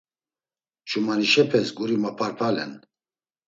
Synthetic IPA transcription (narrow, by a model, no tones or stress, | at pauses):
t͡ʃʰumaniʃɛpʰɛsɡʼuɾimapʰaɾpʰalɛ̰n